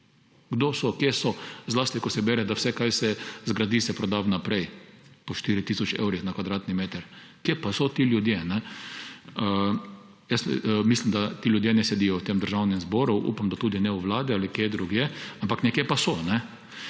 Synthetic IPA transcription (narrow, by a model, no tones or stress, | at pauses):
ɡd̪osɔkjesɔzlaːst̪ikɔsɛbɛːɾɛd̪awsɛkajsɛzɡɾad̪iːsɛpɾɔd̪awnapɾɛjpɔʃt̪iɾit̪isɔt͡ʃḛwɾixnakʋad̪ɾaːt̪nimeːt̪əɾ | kjepasɔt̪iːljʊd̪jenɛ | ə | jəsmislimd̪at̪iljʊd̪jenɛsɛd̪iːjɔwt̪eːmd̪əɾʒawnɛmzbɔɾuʔṵːpamd̪at̪ud̪inɛuʋlaːd̪ialikjed̪ɾuɡjeampaknɛkjepasɔnɛ